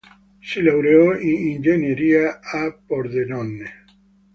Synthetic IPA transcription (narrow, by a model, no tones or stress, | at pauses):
silawɾeoiind͡ʒeneɾiaapoɾðenõnːe